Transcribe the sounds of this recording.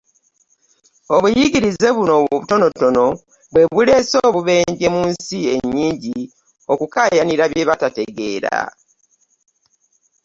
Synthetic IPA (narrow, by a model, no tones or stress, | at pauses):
o̞βujiɡiɾize̞βuno̞ββuto̞no̞to̞no̞ | βwe̞βule̞soːβuβe̞ːɲɟemuːnsie̞ɲːiːɲɟi | o̞kukaːjaniɾaβje̞βatate̞ɡe̞ːɾa̰